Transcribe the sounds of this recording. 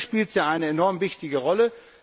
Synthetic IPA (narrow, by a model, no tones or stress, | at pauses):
ʃpiːltjaːʔaɪnəenɔɐmvɪçtɪɡəʁɔlə